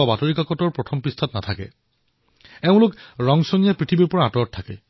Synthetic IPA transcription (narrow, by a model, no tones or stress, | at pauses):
ɔbatoɹikakɔtɔɹpɹɔtʰɔmpɹistʰatnatʰakɛ̰ | ɛʊ̃lʊkɹɔŋsonijapɹitʰibiɹpɔɹaːtɔɹɔttʰːakɛ̰